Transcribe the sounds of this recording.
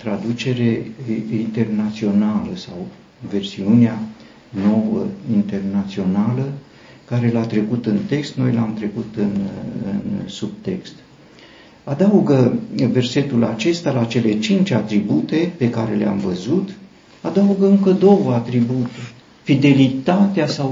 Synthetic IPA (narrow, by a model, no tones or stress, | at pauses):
t̪ɾad̪ut͡ʃe̞ɾe̞int̪e̞rnat̪sio̞naləsaw | ve̞rsiunea | no̞wəint̪e̞rnat̪sio̞nalə | kaɾe̞lat̪ɾe̞kut̪ɨnt̪e̞kst̪no̞̰jlamt̪ɾe̞kut̪ɨnɨ̰nsub̚t̪e̞kst̪ | ad̪auɡəve̞rse̞t̪ulat͡ʃe̞st̪alat͡ʃe̞le̞t͡ʃint͡ʃʲat̪ɾibut̪e̞pe̞kaɾe̞lea̰mvəzut̪ | ad̪auɡəɨŋkəd̪o̞wəat̪ɾibut̪urʲ | fid̪e̞lit̪at̪easaw